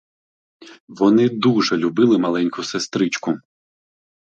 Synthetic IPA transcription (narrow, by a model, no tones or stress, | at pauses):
ʋɔnɪd̪uʒɛlʲʊbɪlˠɪmɐlˠɛnʲkʊsest̪ɾɪt͡ʃkʊ